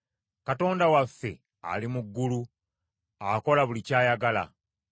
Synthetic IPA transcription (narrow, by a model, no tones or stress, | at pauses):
kato̞ːndawafːe̞̰ | a̰limuɡːulu | ako̞laβulicaːjaɡala̰